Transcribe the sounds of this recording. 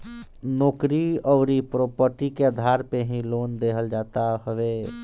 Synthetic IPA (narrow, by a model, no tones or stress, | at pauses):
noːkɾiɔʊɾipɾopəɾʈikeəd̪ʱaɾpeɦĩlond̪eɦəld͡ʒat̪aɦəʋe